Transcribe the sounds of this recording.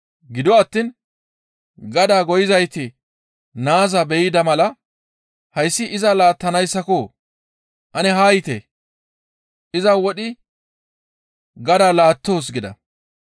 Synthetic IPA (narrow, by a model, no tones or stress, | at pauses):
ɡɪd̪ɔɐt̪ːiːn | ɡɐd̪aːɡɔjɪzɐjt̪ɪ | naːzɐbɛjɪd̪ɐmɐlɐ | hɐjsːɪʔɪzɐlaːt̪ːɐnɐjsːɐkoː | ʔɐnɛɦaːjɪt̪ḛ | ʔɪzɐwɔɗɪ | ɡɐd̪aːlaːt̪ːo̞ːs̬ɡɪd̪ɐ̰